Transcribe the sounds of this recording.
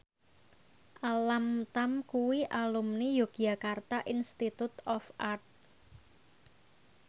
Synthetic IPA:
ʔalamt̪amkuwiʔalumnijoɡ̥ijakart̪aʔinst̪it̪ut̪ɔfart̪̚

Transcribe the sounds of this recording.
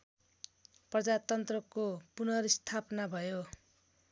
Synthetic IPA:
prʌd͡zat̪ʌnt̪rʌkopunʌrist̪ʰapnabʱʌjo

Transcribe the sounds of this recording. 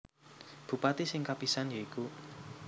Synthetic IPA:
b̥ṳpat̪isɪŋkapisanjoiku

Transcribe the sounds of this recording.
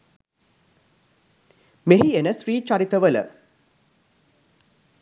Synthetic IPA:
meɦienəsɾiːt͡ʃaɾit̪əʋələ̰

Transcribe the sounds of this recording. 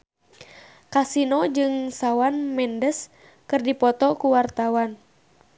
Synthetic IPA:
kasinɔd͡ʒɨŋsawanmɛndəs | kɨrdipɔt̪ɔkuwart̪awan

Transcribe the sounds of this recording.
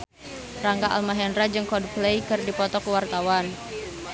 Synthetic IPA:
raŋɡaʔa̰lmaɦɛndɾad͡ʒɨŋkɔdplejkɨrdipɔt̪ɔkuwart̪awan

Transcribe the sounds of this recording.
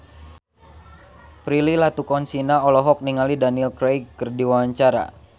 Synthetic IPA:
pɾililat̪ukɔnsinaɔlɔɦɔk̚niŋalidaniilkɾejkərdiwawaɲt͡ʃaɾa̰

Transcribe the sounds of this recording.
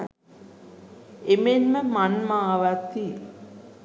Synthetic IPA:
emenməmanmaːʋæt̪ːi

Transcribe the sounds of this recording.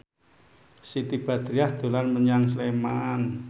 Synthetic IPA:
sit̪ib̥a̤d̪̥ɾiahd̪̥o̤lanməɲaŋsleman

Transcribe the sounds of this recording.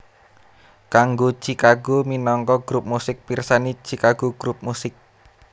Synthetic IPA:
kaŋɡod̥ʒ̥i̤kaɡominɔŋkɔɡ̥ɾup̚musɪk̚pirsanid̥ʒ̥i̤kaɡ̥oɡ̥ɾup̚musɪk̚

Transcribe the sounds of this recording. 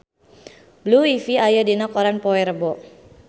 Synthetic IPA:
bluifiajadinakɔɾanpɔɛɾəbɔ

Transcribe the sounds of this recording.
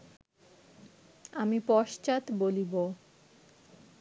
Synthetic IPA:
amipɔʃt͡ɕat̪bolibo

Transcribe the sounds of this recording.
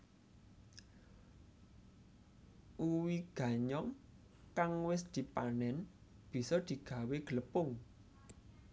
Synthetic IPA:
ʔuwiɡ̥a̤ɲɔŋ | kaŋwɪsd̪̥i̤panɛn | b̥i̤sɔd̪̥i̤ɡ̥ä̤weɡ̥ələpʊŋ

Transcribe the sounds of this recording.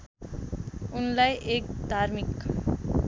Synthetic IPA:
unlajʔekd̪ʱaɾmik

